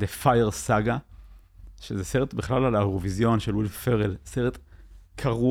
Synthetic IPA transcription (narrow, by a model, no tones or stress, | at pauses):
defajeʁsaɡa | ʃezeseʁet̪biχlalalaoʁovizjo̞nʃelwilffeʁelseʁet̪kʰaʁu